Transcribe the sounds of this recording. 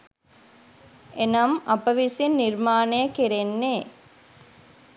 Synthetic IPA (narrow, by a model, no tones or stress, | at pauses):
enɐmɐpɐʋisinːiɾmaːnejɐkiɾenːeː